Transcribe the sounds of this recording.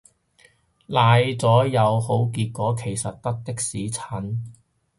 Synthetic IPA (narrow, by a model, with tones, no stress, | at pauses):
laː˨˧jt͡sɔː˨˥jɐ˨˧who˨˥wkiː˧t̚kɔː˨˥kʰe˨˩jsɐ˨t̚t̪ɐ˥k̚t̪ɪ˥k̚siː˨˥t͡sʰɐ˨˥n